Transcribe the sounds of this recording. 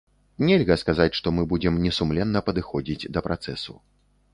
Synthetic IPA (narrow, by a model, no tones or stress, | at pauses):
nʲɛlʲɣɐskazat͡sʲʂt̪ɔmɨbud͡zʲɛmnʲɛsumlʲɛnːɐpɐd̪ɨxɔd͡zʲid͡zʲd̪ɐpɾat̪sɛsṵ